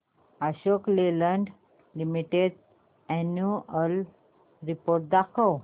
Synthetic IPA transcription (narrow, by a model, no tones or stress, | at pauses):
aɕokleləɳɖ | limiʈed | ɛnjuəl | ɾipoɾʈ̚d̪akʰəw